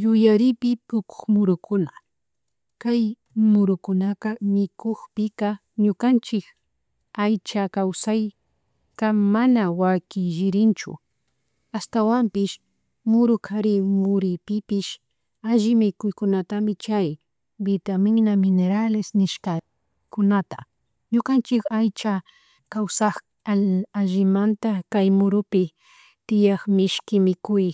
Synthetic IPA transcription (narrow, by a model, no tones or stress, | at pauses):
jʊjaɾɪpɪpʊkʊ̥χmʊɾʊkʊna | kaj | mʊɾʊkʊnakamɪkoxpɪka | ɲʊkant͡ʃɪk | ajt͡ʃakawsaj | kamanawakɪʒɪɾɪnt͡ʃʊ̰ | ast̪awampɪʃ | mʊɾʊkʰaɾɪmʊɾɪpɪpɪʃ | aʒɪmɪkʊjkʊnat̪amɪt͡ʃaj | bɪt̪amɪnamɪneɾalɪsnɪʃka | kʊnat̪a | ɲʊkant͡ʃɪkajt͡ʃa | kawsaχ | aʒɪmant̪akajmʊɾʊpɪ | t̪ɪjaχmɪʃkɪmɪkʊj